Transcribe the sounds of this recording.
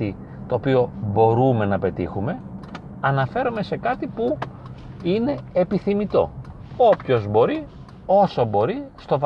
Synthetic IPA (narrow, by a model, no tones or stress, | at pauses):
i | t̪o̞ːpio̞bo̞ɾume̞nɐpe̞t̪ḭxume̞ | ɐnɐfe̞ɾome̞se̞kɐt̪ipu | ine̞ːpiθimit̪o̞̰ | opço̞zbo̞ɾi | o̞sobo̞ɾist̪o̞v